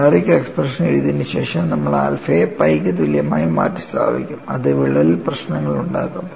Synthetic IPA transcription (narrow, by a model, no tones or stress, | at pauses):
ɐɾikʲːeksprɐʂɐneɻit̪inːɨɕe̞ːʂɐmnɐmːɐɭa̰ːlfeːpɐjkːɨt̪iljɐmaːjuma̰ːtːist̪a̰ːbḭkʲːumɐðɨʋiɭːɐlilprɐɕnɐŋːɐɭuɳɖa̰ːkːum